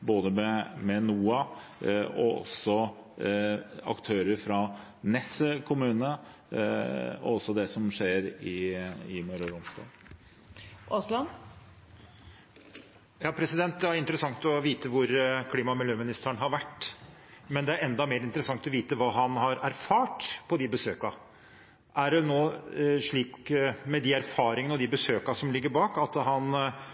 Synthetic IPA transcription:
boːd̪əmɛmɛnuːɑ | ɔ̰ɔ̰sːɔ | ɑ̰kt̪ʰøːɾəɾfɾɑ | nɛsəkʰʊmʉːnə | ɔ̰ɔsːɔd̪ɛsɔmʂeːɾɪɪmœɾɔɾɔmst̪ɑ̰ː | ʔoslɑn | jɑːpʰɾɛsɪd̪ɛnt̪̚d̪ɛæɾɪnt̪əɾəsɑŋt̪ɔʋiːt̪əʋʊɾkʰliːmɑmɪljøːmɪnɪst̪æɳɦɑɾʋæʈː | mɛnd̪ɛæɾɛnd̪ɑmeːɾɪnt̪əɾəsɑŋt̪ɔʋiːt̪əʋɑːɦɑnhɑɾæɾfɑːʈpʰɔd̪ɪbəsøːkɑ | ʔæɖɛnoːʂɭiːkmɛd̪ɪæɾfɑːɾɪŋənəɔd̪ɪbəsøːkɑsɔmlɪɡːəɾbɑːkɑt̪ɦɑn

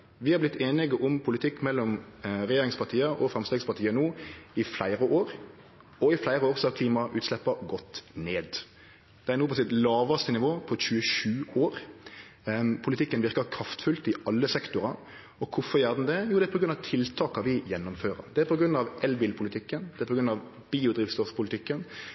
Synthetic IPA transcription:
ʋɪhɑɾblɪt̪ʰːeːnɪɡəʔʊmpʰʊlɪt̪ʰɪkːmɛlːɔmɾɛjeːɾɪŋspʰɑʁt̪ʰiːəʔɔfɾɑmst̪eːɡspɑɾt̪ʰiːənuːɪflæɪɾəʔoːɾ | ɔɪflæɪɾəoːʁsɑkʰliːmɑʔʉːt̪slɛpːəɡɔt̪ːneːd̪ | d̪ɛæɾnuːpʰɔs̬ɪt̪lɑːʋɑst̪ənɪʋoːpʰɔɕʉəʃʉːoːɾ | pʰʊlɪt̪ɪkːənʋɪʁkəkʰɾɑft̪fʉlt̪ɪʔɑlːəsɛkt̪ʊɾɑ | ɔkʰʊfɔɾjæːʁd̪ɛnd̪ɛjuːd̪ɛpʰɔɡɾʉnɑʋt̪ʰɪlt̪ʰɑːkɑʋɪjɛnːʊmføːɾə̰ɾd̪ɛæpʰɔɡɾʉnɑʋʔɛlbɪlpʰʊlɪt̪ʰɪkːənd̪ɛæpʰɔɡɾʉnɑʋ | biːʊd̪ɾɪft̪st̪ɔfspʰʊlɪt̪ʰɪkːən

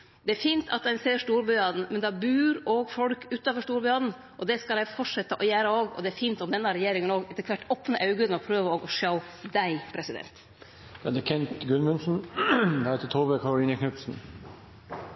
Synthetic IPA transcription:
d̪ɛæɾfiːnt̪ʰɑt̪d̪ɛɪnseːɾʂʈuːɾbʏɑd̪n̩mɛnd̪ɑbʉːɾoːɡfɔɽkʉːt̪oːfɔʂʈuːɾbʏɑːd̪n̩ | ʔɔd̪ɛskɑlæɪfɔʂɛt̪ːəʔɔjæːɾəoːɡɔ̰d̪ɛæɾfiːnt̪ɔmd̪ɛnːɑɾɛjeːɾɪŋənoːɡɛt̪əkʰʋæʈːɔpːnəʔɑʉɡəɔpʰɾøːʋəoːɡɔʂɑʊd̪æɪpʰɾɛsɪd̪ɛ̰nt̪ | jɑd̪ɛkʰɛnt̪ɡʉnmʉnsn̩d̪hæt̪ət̪ʰoːʋəkʰɑɾʊliːnəkʰnœpsn̩

